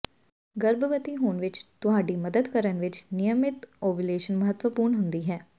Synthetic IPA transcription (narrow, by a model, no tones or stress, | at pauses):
ɡəɾbəʋət̪iːɦoːnʋɪt͡ʃt̪ʊɦaːɖiːməd̪əd̪kəɾənʋɪt͡ʃnɪjəmɪt̪oːʋɪleːʃənməɦət̪ʋəpuːɾɳɦʊnd̪iːɦɛː